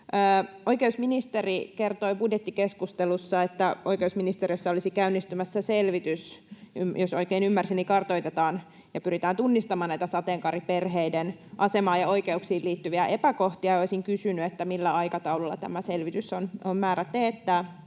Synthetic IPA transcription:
əːojkeusminist̪erikert̪oibudjet̪ːikeskust̪elusːɑet̪ːæʔoikeusminist̪eriøsːɑolisikæynːist̪ymæsːæselʋit̪ysymjosoikeːnymːærsinːikɑrt̪oit̪et̪ɑːn | jɑpyɾit̪æːnt̪unːist̪ɑmɑːnæit̪æsɑt̪eːŋkɑriperɦeidenʔɑsemɑːjɑo̞ikeuksiːliːt̪ːyʋiæʔepækoht̪iɑjoisiŋkysynyet̪ːæmilːæɑikɑt̪ɑululːɑ̰t̪æ̰mæselʋit̪ysonommæːɾæt̪eːt̪ːæː

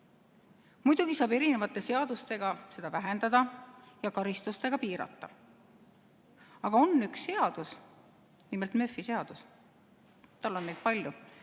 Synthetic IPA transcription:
mujd̪̥uɡ̥isɑːbe̞ɾine̞vɑt̪ːˑe̞se̞ɑd̪̥ust̪e̞ɡ̥ɑse̞d̪ɑvæɦe̞nd̪̥ɑd̪ɑjɑkɑɾist̪ust̪e̞ɡ̥ɑpiːɾɑ̰t̪ːɑ | ɑɡ̥ɑo̞nːyksːe̞ɑd̪̥us | nimelt̪mø̞fːise̞ɑd̪̥us | t̪ɑlːo̞nːejd̪̚pɑlʲju

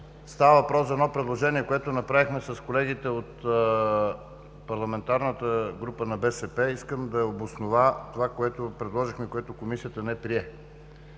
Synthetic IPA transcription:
st̪avəvɐpɾɔszɐɛnɔpɾɛd̪lˠoʒɛniɛkoɛt̪ʊnɐpɾavixmɛsɐskolɛɡit̪ɛot̪ | pɐɾlˠɐmɛnt̪aɾnət̪əɡɾupənɐbɛsɛpɛiskəmd̪ɐobosnovat̪ovakoɛt̪opɾɛd̪lˠɔʒixmɛikoɛt̪okomisijət̪ənɛpɾiɛ

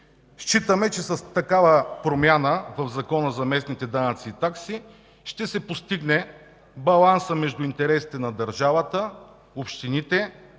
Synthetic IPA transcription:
ʃt͡ʃit̪əmɛt͡ʃɛsɐst̪ɐkavəpɾomʲjanəvɐvzɐkɔnəzɐmɛsnit̪ɛd̪anɐt̪siːt̪aksi | ʃt̪ɛsɛpost̪iɡnɛ | bɐlˠansəmɛʒd̪ʊint̪ɛɾɛsi̥t̪ɛnɐd̪ɐɾʒavət̪ə | opʃt̪init̪ɛ

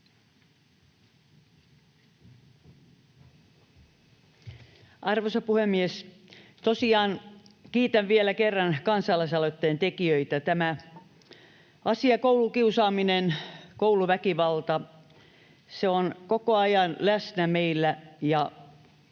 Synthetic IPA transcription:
ʔɑrʋosɑpuhemːies | t̪osiɑːnkiːt̪æʋʋielækerːɑnkɑnsɑlɑisɑlot̪ːeːnt̪ekiøit̪æt̪æmæ | ɑsiɑkoulukiusɑːminenkouluʋækiʋɑlt̪ɑ | seonkokoɑjɑnlæsnæmeilːæjɑ

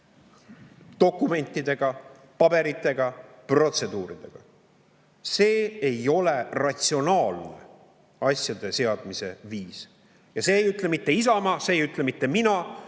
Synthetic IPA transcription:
t̪o̞kːˑume̞nʲt̪ːˑid̪̥e̞ɡ̥ɑ | pɑbe̞ɾit̪ˑːe̞ɡ̥ɑ | pro̞t̪se̞d̪uːɾid̪̥e̞ɡ̥ɑ̰ | se̞ːejo̞le̞rɑt̪sio̞nɑːlne̞̰ | ɑsjɑd̪e̞se̞ɑd̪mise̞viːs | jɑse̞ːjyt̪ːˑlemit̪ːe̞is̬ɑmɑseːjyt̪ˑlemit̪ːe̞minɑ

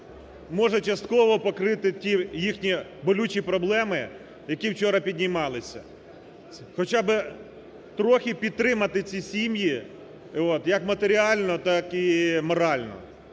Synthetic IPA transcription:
mɔʒɛt͡ʃɐst̪kɔʋɔpɔkɾɪt̪ɪtʲijixnʲibɔlʲut͡ʃʲipɾɔblˠɛmɪ | jɐkʲiwt͡ʃɔɾɐpʲid̪ʲnʲimɑlˠɪsʲɐ̰ | xɔt͡ʃabɪ | t̪ɾɔxʲipʲid̪̚t̪ɾɪmɐt̪ɪt͡sʲisʲimji | ɔt̪jɐkmɐt̪eɾʲiɑlʲnɔt̪ɑkimɔɾɑlʲnɔ̰

